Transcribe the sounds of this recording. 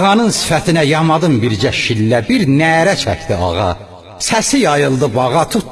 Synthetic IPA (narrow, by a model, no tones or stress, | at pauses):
ʁɑnɯnsi̥fæt̪ʰinæjɑmɑd̪ɯmbiɾd͡ʒæʃilːæbiɾnæɾæt͡ʃʰæ̰ct̪iɑ̰ʁɑ̰ | sæsijɑjɯlˠd̪ɯbɑɣɑt̪ʰut̪